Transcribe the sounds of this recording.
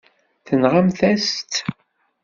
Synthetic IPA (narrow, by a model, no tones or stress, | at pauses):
θənʁamθæst̪